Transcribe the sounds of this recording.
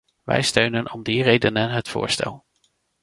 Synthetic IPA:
ʋɛ̰jstøɥnənʔɔmdirejdənənɦətfʊ̰ːɹstɛlˠ

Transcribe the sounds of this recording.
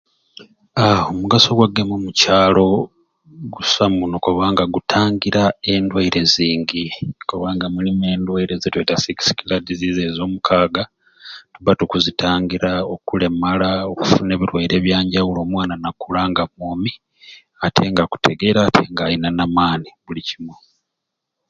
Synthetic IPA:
aomuɡaso̞ɡwaɡemumucaːlo̞ | ɡusamunokoβaːŋɡaɡutʰaːŋɡiɾae̞ndwaiɾe̞ziːŋɡikoβaːŋɡamulime̞ːndwaiɾezetwetasiki̥si̥kiladizizezo̞ːmukʰaːɡa | tuβatukuzitʰaːŋɡiɾao̞kule̞malaoku̥fune̞ːβiɾwaiɾe̞ːβjaːɲɟawulo̞ːmwaːnanakulaːŋɡamoːmi | atʰe̞ŋɡaku̥tʰe̞ɡe̞ɾaːtʰe̞ŋɡajinanamaːniβulicimwo

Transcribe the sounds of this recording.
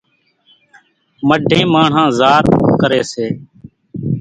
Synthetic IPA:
məɖʱẽːmaːɳ̤ãːzaːɾkəɾeːseː

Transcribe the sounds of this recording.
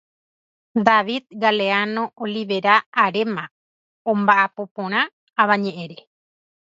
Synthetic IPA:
d̪aʋid̪̚ɡaleanõ̞ʔoliʋe̞ɾaːɾemã | õmbaʔapo̞põɾ̃ãː | βãɲẽʔẽɾe

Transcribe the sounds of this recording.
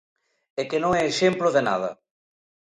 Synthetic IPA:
ekenõŋɛːʃemploðena̰ðɐ̰

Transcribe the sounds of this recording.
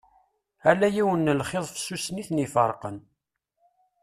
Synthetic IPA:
ælːæjiwənːəlχeðˤfə̥sːusniθnifəɾˤqə̰n

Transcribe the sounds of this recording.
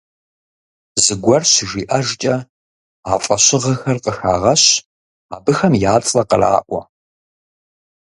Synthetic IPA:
zɨɡʷɐrɕɪʒiːʔɐʒt͡ʃʼɐ | aːfʼɐɕɪʁɐxɐrqəxa̰ːʁɐɕ | aːbɨxɐmjaːt͡sʼlɐqəra̰ːʔʷɐ̰

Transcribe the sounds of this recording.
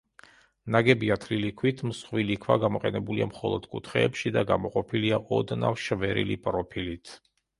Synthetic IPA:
naɡɛbiat̪ʰlilikʰwit̪ʰmsχwilikʰwaɡamɔqʼɛnɛbuliamχɔlˠɔd̪̥kʼut̪ʰχɛːpʃid̪aɡamɔqʼɔpʰiliaʔɔd̪na̰fʃvɛɾḭlipʼɾɔpʰilit̪ʰ

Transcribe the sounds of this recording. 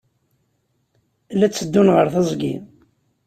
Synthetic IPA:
læt͡sːəd̪ːunʁəɾθɑzˤɡḭn

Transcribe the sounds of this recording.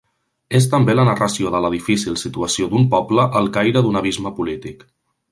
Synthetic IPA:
es̬t̪əmbelənərəsioðələð̞ifisilˠsit̪uəsiod̪umpɔbləʔəlˠkajɾəðunəβ̞izməpulit̪ik

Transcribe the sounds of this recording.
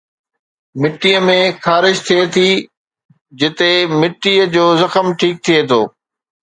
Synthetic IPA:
mɪʈːijəmẽxaːɾɪʃt̪ʰiet̪ʰi | d͡ʑɪt̪emɪʈːiːəd͡ʑoːzɐxəmʈʰiːk̚t̪ʰiet̪ʰoː

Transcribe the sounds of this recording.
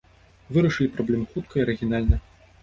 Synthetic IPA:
vɨɾɐʂɨlʲipɾɔblʲɛmxut̪̚kʰɐiɐɾɨɣʲinalʲnɐ

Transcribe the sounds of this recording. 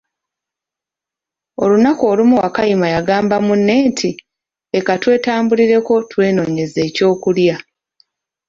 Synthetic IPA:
o̞̰lunako̞ːlumuwakajimajaɡaːmbamunːe̞ːntʰi | ekatwe̞ːtaːmbuliɾe̞ko̞twe̞ːno̞ɲe̞ze̞ːco̞ːkulja

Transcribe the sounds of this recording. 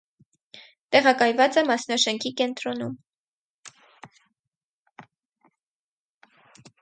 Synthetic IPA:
t̪ɛʁɑkɑjvɑt͡sɛmɑsnɑʃɛŋkʰikɛnt̪ɾɔnum

